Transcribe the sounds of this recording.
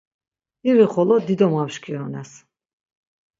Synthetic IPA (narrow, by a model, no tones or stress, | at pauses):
iɾiχɔlɔd̪id̪ɔmamʃkʰiɔnɛs